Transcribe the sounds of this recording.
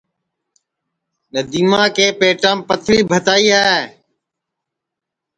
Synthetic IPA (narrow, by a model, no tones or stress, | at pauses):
nəd̪iːmãːkeːpeːʈãːmpət̪ʰɾiːbʱət̪aːiːaːe